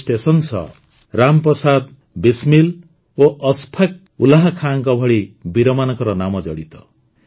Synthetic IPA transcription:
sʈesɔnsɔ̰ | ɾampɔsad̪ | bismil | oʔɔspʰak̚ | ulaɦakʰaːŋkɔbʱɔɽibiɾɔmanɔkɔɾɔnamɔd͡ʒɔɽit̪ɔ

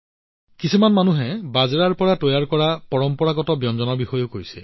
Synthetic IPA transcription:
kisʰimanmanuɦɛbazɹaɹpɔɹatɔjaɹkɔɹapɔɹɔmpɔɹaɡɔtɔbjɔnzɔnɔbixɔjokojsɛ

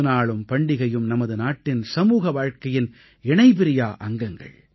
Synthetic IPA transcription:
ɯnaːɭɯmpɐɳɖɪɣɐjɯmnɐmɐðɯnaːʈːɪnsɐmuːɣɐʋaːɻkɐjɪn | ɪɳɐɪpɪɾɪjaːʔɐŋɡɐŋɡɐ̰ɭ

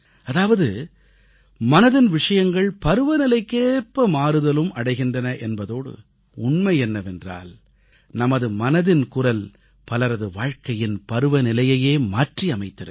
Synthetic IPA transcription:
ɐðaːʋɐðɯ | mɐnɐðɪnʋɪʂɐjɐŋɡɐɭpɐɾɯʋɐnɪlɐɪkːeːpːɐmaːɾɯðɐlɯmɐɽɐɪɣɪndrɐnɐʔɛnbɐðoːɽɯ̰ | ʊɳmɐɪɛnːɐʋɛndra̰ːl | nɐmɐðɯmɐnɐðɪnkʊrɐl | pɐlɐɾɐðɯʋaːɻkɐjɪnpɐɾɯʋɐnɪlɐjɐjeːmaːʈriɐmɐɪt̪ːɐɾɯ

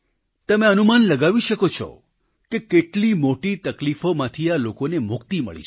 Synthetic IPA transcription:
t̪əmeənumanləɡaʋiʃəkot͡ʃʰɔ̰ | kekeʈlimoʈit̪əklifomãt̪ʰialokonemʊkt̪imə̰ɭḭt͡ʃʰe

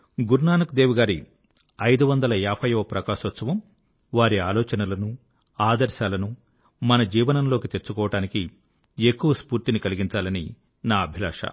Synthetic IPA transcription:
ɡuɾnaːnɐkud̪eːʋuɡaːɾi | ɐjd̪uʋɐnd̪ɐlɐaːpʰɐjoːpɾɐkaːʂʋɐt̪sɐʋɐm | ʋaːɾiaːlɔːt͡ʃɐnɐlɐnu | aːd̪ɐɾʃaːlɐnu | mɐnɐd͡ʒiːʋɐnɐmlo̞ːkit̪e̞ɾt͡ʃːukɔːʋɐʈaːniki | ekːuʋɐspuːɾt̪inikɐliɡiɲt͡ʃaːlɐni | naːɐbʱila̰ːʂɐ̰

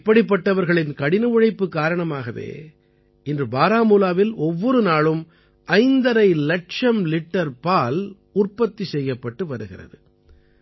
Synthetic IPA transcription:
pːɐɽɪp̬ːɐʈːɐʋɐɾɣɐɭɪnkɐɽɪnɯɯɻɐɪpːɯkːaːɾɐɳɐmaːɣɐʋḛː | ɪndrɯbaːɾaːmuːlaːʋɪlɔʋːɔɾɯnaːɭɯm | ʔɐɪnd̪ɐɾɐɪlɐʈʂɐmlɪʈːɐɾpaːl | ʊrpɐt̪ːisɛjːɐpːɐʈːɯʋɐɾɯɣɪrɐ̰ðɯ

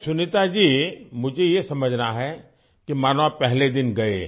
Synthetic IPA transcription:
sʊnɪt̪ad͡ʒiːmʊd͡ʒʱejesɐməd͡ʒʱnaɦɛ | kimaːnʋapɛɦled̪ɪnɡɐḛː

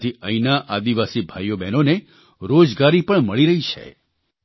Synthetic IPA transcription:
t̪ʰiʔəinaʔad̪iʋasibʱajobɛnone | ɾod͡ʒɡaɾipəɳməɭiɾəɦit͡ʃʰḛ

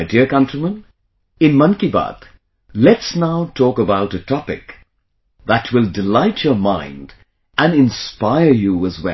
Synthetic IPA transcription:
ɪdiɹkʌ̃ntɹimə̃n | ɪ̃nmʌ̃nkiba̰d̪ | lɛtsnaʊtʰɔkəbaʊɾɨtʰɑpɪ̰k | ðətʰwɪlˠdɪlaɪt͡ʃʰə˞mãɪ̃nd | ʔɨ̃nɪ̃nspaɪə˞juəzwɛ̰

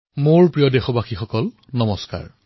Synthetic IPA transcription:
moɹpɹijɔdexɔbaxixɔkɔl | nɔmɔska̰ɹ

